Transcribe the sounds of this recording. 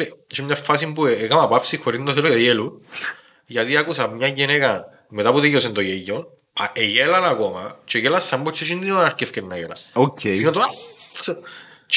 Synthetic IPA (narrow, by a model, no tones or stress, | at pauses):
et͡ʃemɲɐfːɐs̬imbuekɐmɐpafsixoɾinːd̪oθelojejelun | ʝɐt̪iɐkusɐmɲɐʝenekɐn | met̪apuðejosent̪ojejːon | eʝelɐnɐkomɐt͡ʃeʝelɐsːɐmbot͡ʃːeʃind̪inonɐɾkeθkenːɐʝelɐ̰noceinɐt̪oa | t͡ʃ